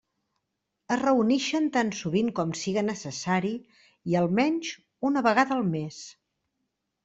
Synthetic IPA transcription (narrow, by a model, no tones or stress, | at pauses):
əzrəunɛʃənt̪ansuβiŋkɔmsiɣənəsəsaɾi | iəlˠmɛɲʲʒ | unəβəɣaðəːlˠmes